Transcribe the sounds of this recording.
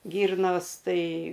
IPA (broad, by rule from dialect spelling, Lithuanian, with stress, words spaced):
ˈɡʲiːrnoːs ˈtɐɪ ˈɡɐlʲ